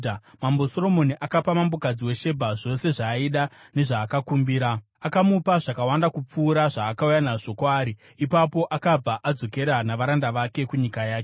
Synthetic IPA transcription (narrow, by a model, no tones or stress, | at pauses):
amambo̞so̞ro̞mo̞niʔakapamambokad͡ziwe̞ʃe̞bʱaʐo̞se̞ʐaiɗa | ne̞ʐaːkakumbiːɾa | akamupaʐakawandakup͡fuːɾaʐaːkaujanaʐo̞kwaːɾi | ipapo̞ʔakab͡vaʔad͡zo̞ke̞ɾanaʋaɾandaʋake̞kuɲikajaːke